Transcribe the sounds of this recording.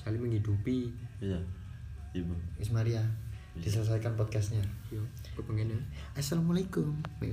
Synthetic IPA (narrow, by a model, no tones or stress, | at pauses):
skaliməŋɦidupija | ismaɾiad̥isələs̬ajkanp̬ɔd̪̚kast̪ɲajo | pəpəŋana | ʔasalamalaikʊmmḛ